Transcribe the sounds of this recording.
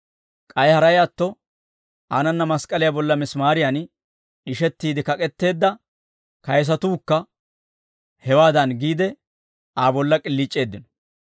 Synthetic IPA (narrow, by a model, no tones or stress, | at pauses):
kʼɐjhɐɾɐjat̪ːɔ | aːnɐnːɐmɐskʼɐlɪjabɔlːɐmɪsmaːɾɪjan | ɪʃɛt̪ːiːd̪ɪkɐkʼɛt̪ːe̞ːd̪ːɐ | kɐjs̬ɐt̪uːkːɐ | hɛwaːd̪ɐnɡiːd̪ɛ | aːbɔlːɐkʼɪlːɪt͡ʃʼːe̞ːd̪ːɪnɔ̥